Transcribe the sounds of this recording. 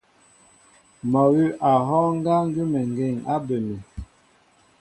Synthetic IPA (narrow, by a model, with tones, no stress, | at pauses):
mɔ˨wi˦ʔa˨ɦɔ˦ŋ˦ɡa˦ŋ˦ɡi˦mɛ˨ŋ˨ɡe˦˨ŋa˦be˨mɛ˨